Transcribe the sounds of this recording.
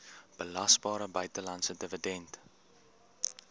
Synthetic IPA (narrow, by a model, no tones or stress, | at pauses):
b̥əlɐsbɑːɾəbœɥtəlɐnsədəvədɛnt